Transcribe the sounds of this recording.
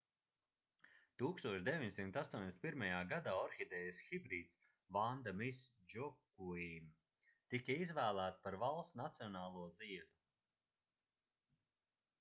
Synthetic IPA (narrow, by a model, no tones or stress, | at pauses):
t̪uːkst̪uɔʃd̪evʲiɲsimt̪ast̪uɔɲʲd̪esʲt̪pʲiɾmajaːɡad̪aːɔɾxid̪ɛːjsxibɾiːt̪s | vand̪amis | d͡ʒɔkːuim | t̪ikaizvæːlˠæːt̪spaɾvalˠst̪nat̪siɔnaːlˠuɔziɛd̪u̥